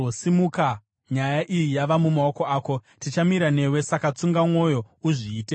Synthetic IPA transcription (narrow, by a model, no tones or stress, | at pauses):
osimuka | ɲajaʔijijaʋamumao̞ko̞aːko̞ | tit͡ʃamiɾane̞we̞sakat͡suŋɡamwo̞jo̞ | uʐiːte